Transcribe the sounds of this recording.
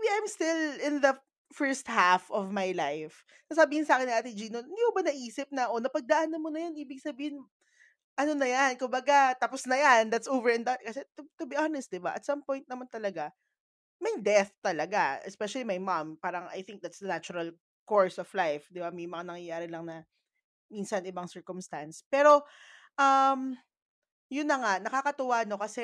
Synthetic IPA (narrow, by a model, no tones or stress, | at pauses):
mbiajmst̪ɪlɪnðɐ | fɛɹst̪̚hafɔvmajlajf | sɐsɐbiːhɪnsɐaːkɪnːiʔaːt̪ɪd͡ʒiːnoɪnd̪iːhobɐnɐʔiːsɪp̚nɐʔonɐpɐɡ̚d̪ɐʔanːɐmonɐjanʔiːbɪɡ̚sɐbiːhɪn | ʔɐnonɐjankʊmbɐɡat̪aposnɐjand̪at̪sovɛɹɛnd̪at̪̚kɐsɛt̪ʊt̪ʊbiʔanɛst̪̚d̪ɪbaʔɐ̰t̪sɐmpɔj̃nt̪̚nɐmant̪ɐlɐɡa | mɐjd̪ɛθt̪ɐlɐɡaʔɛ̰spɛʃɐlimɐjmampaːɾɐŋʔa̰jθɪŋk̚d̪at̪sd̪ɐnat͡ʃʊɾɐl | koɹsɔflajfd̪ɪbamɐjmɐŋanɐŋjɐjaːɾɪlɐŋnɐ | minsɐnɪbɐŋsɛɹkʊmst̪anspɛːɾo̞ | ʔɐm | jʊnːɐŋanɐkakɐt̪ʊwano̞kɐsɛ